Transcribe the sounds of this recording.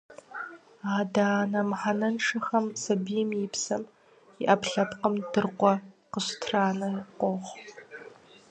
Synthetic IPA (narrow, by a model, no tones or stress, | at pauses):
aːdaːnɐmħanɐnʂɐxɐmsɐbijɛmjɪpsɐm | iʔɐpʰɬɐpqəmdɨrqʷɔ | qəɕtʰraːnɨqʷɔʁʷ